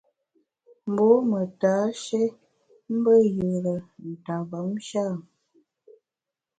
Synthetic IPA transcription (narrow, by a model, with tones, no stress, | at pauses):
m̩˨bo˦mə˨ta˨˦ʃe˦ | m̩˦bə˦jə˨ɾə˨n̩˨ta˨ba˨˦mʃa˦˨